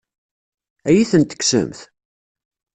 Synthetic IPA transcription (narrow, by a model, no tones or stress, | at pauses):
æjiθənt̪ə̥ksə̰mθ